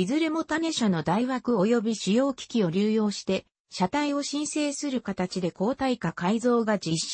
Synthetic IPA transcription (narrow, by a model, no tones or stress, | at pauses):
izɨɾe̞mo̞t̪ane̞ɕano̞d̪aiβakɯ̟o̞jo̞bʲiɕijo̞ːkʲi̥kʲio̞ɾʲɨːjo̞ːɕi̥t̪e̞ | ɕat̪aio̞ɕĩɰ̃se̞ːsɨɾɯ̟kat̪at͡ɕid̪e̞ko̞ːt̪aikakaizo̞ːɡad͡ʑiɕ